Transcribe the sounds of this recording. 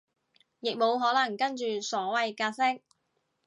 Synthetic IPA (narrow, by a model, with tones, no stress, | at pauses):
jɪ˨k̚mo˨˧wɦɔː˨˥lɐ˨˩ŋkɐ˥nt͡ʃyː˨sɔː˨˥wɐ˨jkaː˧sɪ˥k̚